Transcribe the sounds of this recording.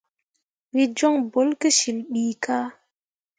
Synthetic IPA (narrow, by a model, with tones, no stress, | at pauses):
wi˦d͡ʒɔ˦ŋbo˨˦lke˦ʃi˨lɓiː˨kaː˦